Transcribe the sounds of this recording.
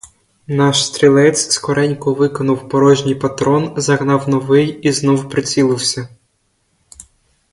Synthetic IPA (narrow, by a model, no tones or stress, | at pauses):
nɑʃst̪ʲɾʲilˠɛt͡sʲskɔɾɛnʲkʊʋɪkɔnʊwpɔɾɔʒnʲijpɐt̪ɾɔnzɐɦnɑwnɔʋɪjiznɔwpɾɪt͡sʲilˠɪwsʲɐ